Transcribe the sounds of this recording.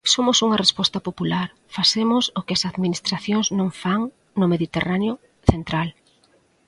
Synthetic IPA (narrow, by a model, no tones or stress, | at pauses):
somʊsuŋɐrespɔst̪ɐpopulaɾ | fasemʊsʊkɪɐsaðminist̪ɾaθjoŋznõŋfaŋ | nʊmeðit̪eranjʊ | θent̪ɾal